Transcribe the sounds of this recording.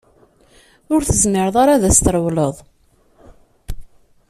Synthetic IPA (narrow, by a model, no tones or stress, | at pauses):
ʊɾθəzmɪɾəðˤaɾaðæst̪əɾˤəwləðˤ